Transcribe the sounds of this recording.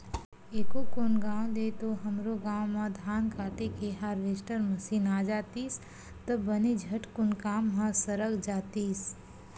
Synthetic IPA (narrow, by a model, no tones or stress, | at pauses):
eːkokʊnɡãːwd̪et̪oɦəmɾoɡaːwmãd̪ʱaːnkaːʈekeɦaːɾʋesʈəɾməsiːnaːd͡ʒaːt̪iːs | t̪əbənid͡ʒʱəʈkʊnkaːmːãsəɾəɡd͡ʒaːt̪iːs